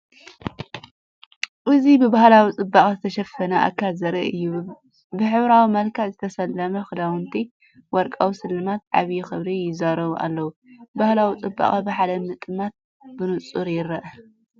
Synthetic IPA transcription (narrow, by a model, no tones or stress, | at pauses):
ʔɨzibɨbahlawit͡sʼɨbːaχʼɐzɨt̪ʰɐʃɐfɐnɐʔa̰kʰːalzɐɾɐ̰ʔɨjːu | bɨħɨβɾawimɐlkʰazɨt̪ʰɐsɐlːɐmɐxɨd̪awɨnt̪ʰi | wɔɾkʼawsɨlːɨmat̪ʕa̰βjuxɨβɾijɪzaɾɐβuʔa̰lːɐwubahlawit͡sʼɨbːa̰χʼɐbɨħad̪ɐmɨt̪ʼɨmat̪̚ | bɨnɨt͡sʼuɾjɪɾɐʔɐ